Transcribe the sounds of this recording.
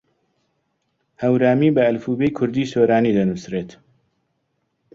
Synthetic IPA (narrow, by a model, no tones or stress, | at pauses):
hɐwɾaːmiːbɐɐlfuːbejkʰʊɾd̪iːsoːɾaːniːd̪ɐnusreːt̪